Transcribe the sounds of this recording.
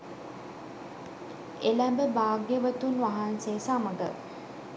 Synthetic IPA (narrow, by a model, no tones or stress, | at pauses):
elæmbəbaːɡjəʋət̪unʋaɦansesaməɡə̰